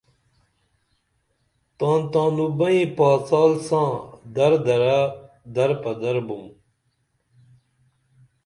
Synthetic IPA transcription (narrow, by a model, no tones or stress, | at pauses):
t̪ãːnt̪ãːnubɐĩpaːt͡saːlsãːd̪ɐɾd̪ɐɾa | d̪ɐɾpɐd̪ɐɾbum